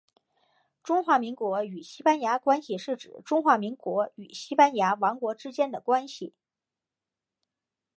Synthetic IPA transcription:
ʈ͡ʂʊ˥ŋxwa˧˥mi˧˥ŋkwɔ˧˥y˨˩ɕi˥pa˥nja˧˥kwa˥nɕi˨ʂɻ̩˥˩ʈ͡ʂɻ̩˨˩ʈ͡ʂʊ˥ŋxwa˧˥mi˧˥ŋkwɔ˧˥y˨˩ɕi˥pa˥nja˧˥wɑ˧˥ŋkwɔ˧˥ʈ͡ʂɻ̩˥t͡ɕjɛ˥nd̪ə˨kwa˥nɕi˨˩

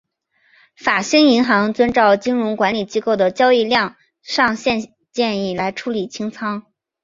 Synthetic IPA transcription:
fa˨˩ɕi˥ŋi˧˥ŋxɑ˧˥ŋt͡swə˥nʈ͡ʂɑ˥˩ʊt͡ɕi˥ŋɻʊ˧˥ŋkwa˧˥nli˨˩t͡ɕi˥ko˥˩ʊd̪ə˩t͡ɕjɑ˥ʊi˥˧ljɑ˥˧ŋ | ʂɑ˥˧ŋɕjɛ˥˧n | t͡ɕjɛ˥˧ni˥˩la˧˥ɪʈ͡ʂʰu˧˥li˨˩t͡ɕʰi˥ŋt͡sʰɑ˥ŋ

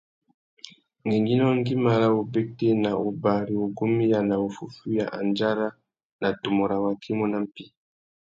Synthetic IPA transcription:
ŋe˨ŋɡi˦nɔ˦ŋ˦ɡi˦ma˨la˦o˨be˦te˦na˨o˨ba˨ɾi˨o˨ɡo˦mi˦ja˨na˨o˨fu˨fu˦ja̰˨ʔa˨nd͡ʒa˦ɾa˦ | na˨to˨mo˨ɾa˨wa˨kʰi˦mo˦na˨m˦pi˦

